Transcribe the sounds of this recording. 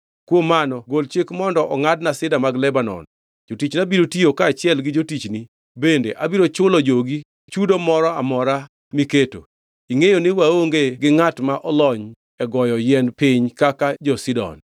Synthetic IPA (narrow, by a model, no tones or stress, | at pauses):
kwomːanɔɡolt͡ʃɪkmɔndɔʔɔŋadnasɪdamaɡlɛbanɔ̰n | d͡ʒotit͡ʃnabiɾotiokaːt͡ʃɪɛlɡɪd͡ʒotit͡ʃni | bendeʔabiɾot͡ʃʊlɔd͡ʒoɡi | t͡ʃudomɔɾɔamɔɾa | miketo̰ | iŋejonɪwaoŋɡeɡɪŋatmaʔɔlɔɲ | ɛɡɔjɔjɛnpɪɲkakad͡ʒɔsidɔ̰n